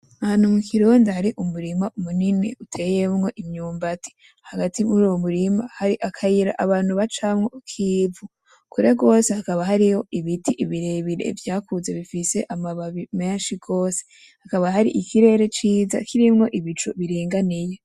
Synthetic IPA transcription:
ahaːn̥umukʰiɾuːndehaɾiʔumuɾimaumuninḭutʰe̞je̞mŋo̞ʔimɲuːmbatʰi̥ | haɡatiuɾuomuɾimahaɾiʔakʰajiɾa̰ʔaβaːn̥huβat͡ʃamŋo̞kʰivu | kuɾe̞ɡo̞ːse̞hakaβaɦaɾiho̞iβitiʔiβiɾe̞βiɾḛvjaːkuzeβifise̞ʔamaβaβime̞nʃiɡo̞ːse̥ | hakaβaɦaɾḭʔikʰiɾe̞ːɾe̞t͡ʃiːza̰kʰiɾimŋo̞ʔiβit͡ʃoβiɾiːŋɡanije

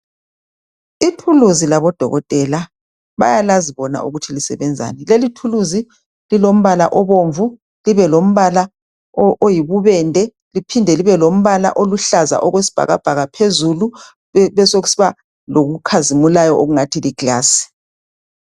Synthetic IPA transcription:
itʰuluzilaβɔd̥ʱɔ̰ɣɔtʼɛla | βa̰jalaziβɔna̰ʔṵɣutʰilisɛ̰βɛnd͡zʱa̰ːnɛlelitʰuluzi | lilom̩βalaʔɔβoɱvu | liβɛlom̩βala | ojiβuβɛndʱɛ | lipʰindʱɛliβɛlom̩βala̰ʔoluɬaza̰ʔɔɣwesi̥b̥ʱa̰ɣa̰b̥ʱaɣapʰezulu | βɛsoɣusiβa | loɣukʰazimulajɔʔoɣuŋatʰiliɡ̥ʱaːsi̥

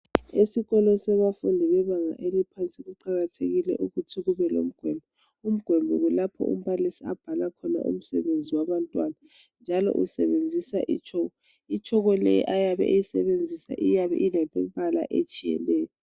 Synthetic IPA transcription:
esiɣɔlɔsɛβafundʱiβɛβaŋa̰ʔelipʰant͡sʼiɣuǃaɣatʰeɣilɛ̰ʔuɣutʰiɣuβɛlo̰m̩ɡ̥ʱwɛmbʱɔ | um̩ɡ̥ʱwɛmbʱɔɣulapʰɔ̰ʔṵm̩βalisiab̥ʱalakʰɔna̰ʔṵm̩sɛβend͡zʱiwaβantʼwana | nd͡ʒʱalɔ̰ʔṵsɛβend͡zʱisa̰ʔḭt͡ʃʰʼɔɣɔ | it͡ʃʰʼɔɣɔlɛ̰j̰ʔajaβɛ̰ʔejisɛβend͡zʱisa̰ʔijaβɛ̰ʔinɛpʼɛmpʼala̰ʔḛt͡ʃʼijɛ̰lɛːjɔ

